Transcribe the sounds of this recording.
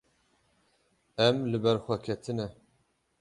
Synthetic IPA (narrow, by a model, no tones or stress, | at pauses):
ɛmlɨbɛɾxʷɛkʰɛt̪ʰɨnɛ